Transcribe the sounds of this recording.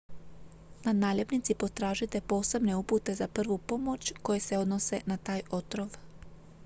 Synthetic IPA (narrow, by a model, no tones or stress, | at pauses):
nad̪naːʎepnit̪sipo̞t̪ɾaːʒit̪e̞po̞ːse̞bne̞uput̪e̞zapr̩ʋupo̞mo̞t͡ɕko̞jese̞o̞d̪nose̞nat̪aːjo̞t̪ɾoʋ